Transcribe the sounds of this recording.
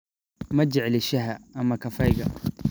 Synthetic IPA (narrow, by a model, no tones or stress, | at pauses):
mɐd͡ʒɛʕlɪʃɐɦɐːmɐkʰɐfɐjɣɐ